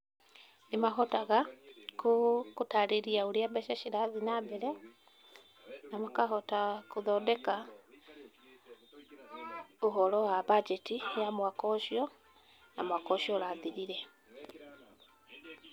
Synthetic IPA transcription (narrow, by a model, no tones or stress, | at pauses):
nimaɦɔtaɣakukutaɾiɾiauɾiabaʃaʃiɾaðinabɛɾɛ | namakaɦɔtakuðɔdɛka | oɦɔlɔwabad͡ʒɛtijamwakɔʃjɔ | namwakɔʃiɔɾaðiɾiɾɛ